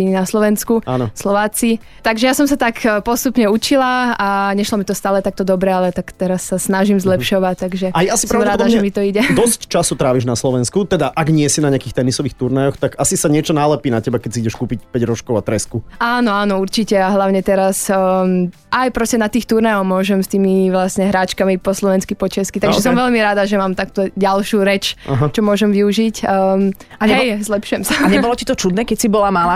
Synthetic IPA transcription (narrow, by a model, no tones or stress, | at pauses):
inaslɔʋɛnskuanɔslɔʋaːt͡si | t̪aɡʒɛjasɔmsat̪akpɔst̪upɲɛut͡ʃilaaɲɛʃlɔmit̪ɔst̪aːlɛt̪ak̚t̪ɔd̪ɔbɾɛalɛt̪akt̪ɛɾasːasnaʒimzlɛpʃɔʋac̚t̪aɡʒɛajɛasi̥pɾadmɾaːɔd̪aʒɛmit̪ɔiɟɛd̪ɔsct͡ʃasut̪ɾaːʋiʒnaslɔʋɛnskut̪ɛd̪aʔaɡɲɪɛsinaɲɪakiːxt̪ɛnisɔʋiːxt̪uɾnajɔxt̪aɡasisaɲɪɛt͡ʃɔnalɛpiːnacɛbakɛcsiiɟɛʃkuːpicpɛɟɾɔʃt͡ʃkɔʊat̪ɾɛskuaːnɔaːnɔuɾt͡ʃicɛaɦlaʊɲɛt̪ɛɾas | ajpɾɔscɛnat̪iːxt̪uɾnajɔʊmʊɔʒɛmst̪iːmiʋlasɲɛɦɾaːt͡ʃkamipɔslɔʋɛnskipɔt͡ʃɛskit̪aɡʒɛsɔmʋɛʎmiɾaːd̪aʒɛmaːmt̪akːt̪ɔɟalʃuːɾɛt͡ʃaɦat͡ʃɔmʊɔʒɛmʋiuʒicː | aɛzlɛpʃʊjɛmsaɲɛbɔlɔcit̪ɔt͡ʃud̪nɛkɛcsibɔlamalaː